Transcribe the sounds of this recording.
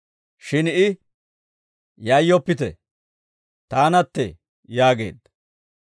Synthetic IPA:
ʃɪnɪ | jɐjːɔpːɪt̪ɛ̰ | t̪aːnɐt̪ːɛ̰ | jaːɡe̞̰ːd̪ːɐ

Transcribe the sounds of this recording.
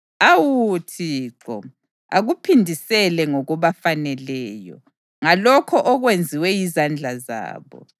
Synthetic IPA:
awutʰiːǁɔ̰ | aɣupʰindʱisɛlɛŋɔɣɔβafanɛlɛːjɔ̰ | ŋalɔkʰɔʔɔɣwend͡zʱiwɛjizand͡ɮʱaza̰ːβɔ̰

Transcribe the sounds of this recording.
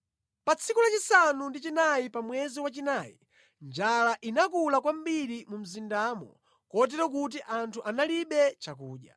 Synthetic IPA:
pat͡sʰikulat͡ʃisanundit͡ʃinajipamwɛziwat͡ʃinaːjḭ | nd͡ʒalaʔinakulakwam̩biɾimum̩zindaːmɔ̰ | kɔt̬ɛɾɔk̬ut̬iʔantʰuʔanaliɓɛt͡ʃakuːɗja

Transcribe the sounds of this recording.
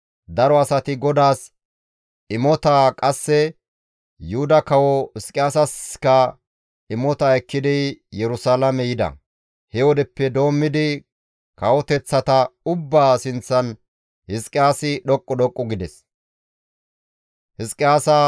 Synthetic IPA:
d̪ɐɾɔɐsɐt̪ɪɡɔd̪aːs | ɪmɔt̪akʼɐsːɛ | jʊhʊd̪ɐkɐwɔhɪskʼɪjaːsɐskɐ | ɪmɔt̪ɐɛkːɪd̪ɪjɛɾʊsalɐmɛjɪd̪ɐ̰ | hɛwɔd̪ɛpːɛd̪o̞ːmːɪd̪ɪ | kɐwɔt̪ɛt͡sːɐt̪ɐʊbːaːsɪnt͡sːɐn | hɪskʼːɪjaːsɪɗɔkʼːɔɗɔkʼːɔɡɪd̪ɛs | hɪskʼːɪjaːsa

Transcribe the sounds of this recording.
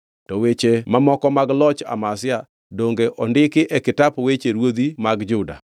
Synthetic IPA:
tɔwet͡ʃemamɔkɔmaɡlɔt͡ʃa̰masɪa | doŋɡeʔɔndɪkɪʔɛkɪtapwet͡ʃeɾwod̪imaɡd͡ʒʊda̰

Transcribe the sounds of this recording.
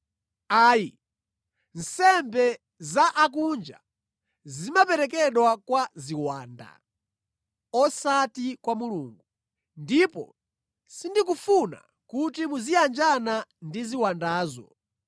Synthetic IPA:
aːji | n̩sɛmbɛ | zaʔak̬und͡ʒa̰ | zimapɛɾɛkɛɗwakwaziwa̰ːnda̰ | ɔsatikwamuluːŋɡu | ndipɔ̰ | sindikufuna̰ | kutimuzijand͡ʒanandiziwandaːzɔ̰

